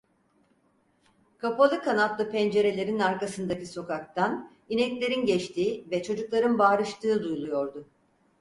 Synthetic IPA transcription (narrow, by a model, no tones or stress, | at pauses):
kʰapalˠɯkʰanat̪lˠɯpʰɛnd͡ʒe̞ɾe̞lʲe̞ɾinaɾkasɯnd̪aciso̞kʰak̚t̪ʰan | inɛclʲe̞ɾinɟɛt͡ʃt̪ʰiːvɛt͡ʃʰo̞d͡ʒuklˠaɾɯnbaːɾɯʃt̪ɯːd̪ujlˠujo̞ɾd̪ʊ